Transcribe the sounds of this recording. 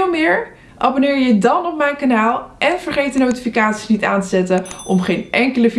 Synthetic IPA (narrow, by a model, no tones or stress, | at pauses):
lˠmɪːɹ | ʔabonɪːɹjədɑnɔp̚mɛjnkanaːlˠʔɛnv̥əɹχejt̚dənowtifikaːtsi̥snitaːntəzɛtəʔɔmχejnʔɛŋkələf